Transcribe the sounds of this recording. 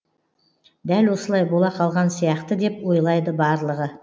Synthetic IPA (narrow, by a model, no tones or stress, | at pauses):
d̪ælwo̞səlˠɑjbo̞lˠɑqʰɑlˠʁɑnsijɑqt̪əd̪e̞pwo̞jlˠɑjd̪əbɑɾlˠəʁə